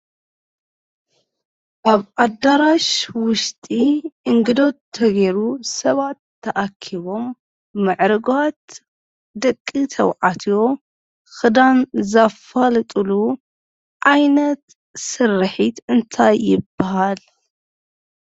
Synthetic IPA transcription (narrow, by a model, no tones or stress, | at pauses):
ʔaβʔad̪aɾaʃwʊʃt̪ʼiʔɨŋɡɨd̪o̞t̪ʰːɐɡeɾusɐβat̪ʰːɐʔakʰiβo̞mː | ɨʕɾɨɡat̪ | d̪ɐkʼːit̪ʰɐwʕat̪ʰijo̞ | xɨd̪anzafalt̪ʼɨlu | ʔajnɐt̪ | sɨrɨħit̪ɨnt̪ʰajːɪbːahal